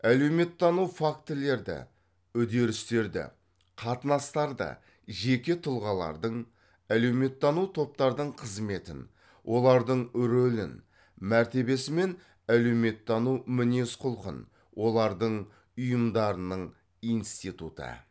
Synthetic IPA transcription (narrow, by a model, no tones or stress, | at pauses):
æle̞wme̞t̪ʰːɑnuwfakt̪le̞ɾd̪ɪ̰ | ʏd̪e̞ɾɪst̪e̞ɾd̪ɪ̰ | qʰɑt̪ənɑst̪ɑɾd̪ə̰ | ʒe̞kʲe̞t̪ʰʊlˠʁɑlˠɑ̰ɾd̪əɴ | æle̞wme̞t̪ːɑnuwt̪ʰo̞p̚t̪ɑɾd̪əɴqʰəzme̞t̪ɪn | wʔo̞lˠɑɾd̪əɴɾolɪ̰n | mæɾt̪e̞be̞sɪme̞n | æle̞wme̞t̪ːɑnuwmʏne̞sqʰʊlˠqə̰n | wʔo̞lˠɑɾd̪əɴ | ʊjəmd̪ɑɾənəɴ | ijnst̪it̪ut̪ə̰